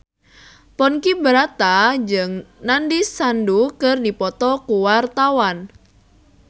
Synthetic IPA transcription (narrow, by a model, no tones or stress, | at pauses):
pɔnkibəɾat̪ad͡ʒɨŋnandisandukɨrdipɔt̪ɔkuwart̪awan